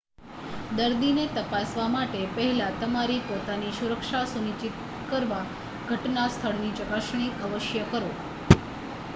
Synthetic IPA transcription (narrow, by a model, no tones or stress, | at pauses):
d̪əɾd̪inet̪əpasʋamaʈepəɦɛlat̪əmaɾipot̪anisuɾəkʃasunit͡ʃit̪̚ | kəɾʋa | ɡʱəʈnast̪ʰəɭnit͡ʃəkaʃɳ̃iəʋəʃjəkəɾo